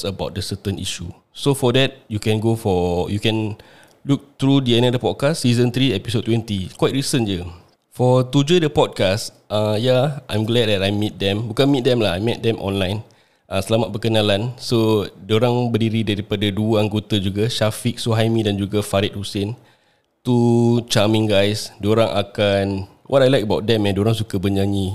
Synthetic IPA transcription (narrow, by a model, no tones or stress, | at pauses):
səbawt̚dəsət̪ə̃nʔḭʃu | sofɔdɛt̚jukɛ̃nɡofɔjukɛ̃n | luk̚t̪ɾudiɛ̃nɔdəpɔd̚kasːizə̃nt̪ɾiɛpisod̚t̪ːwɛ̃nt̪ikwajt̚ɹisənd͡ʒə | fɔt̪ud͡ʒədəpɔd̚kas | ãjaã̰jmɡlɛd̚dɛtajmit̪̚dɛ̃mbukanmit̚dɛ̃mlaɦajmɛt̚dɛ̃mʔɔ̰̃nlãjn | ʔasəlamat̪̚pəkənalansodoɾaŋbədiɾidaɾipadaduəaŋɡot̪ad͡ʒuɡaʃafik̚soɦajmĩdand͡ʒuɡafaɾit̪̚husɪn | t̪ut͡ʃamĩŋɡajsdoɾãŋʔakan | wʔɔtajlajkəbawt̪̚dɛ̃mɛ̃ndoɾaŋsukəbəɲãɲi